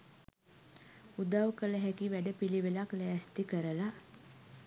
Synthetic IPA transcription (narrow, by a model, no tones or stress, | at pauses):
ud̪awkələɦækiʋæɖəpiliʋelaklɛːst̪ikəɾəla